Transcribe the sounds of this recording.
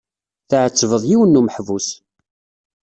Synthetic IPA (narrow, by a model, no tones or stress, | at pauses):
θʕət͡sːvəðˤjiwənːuməħvus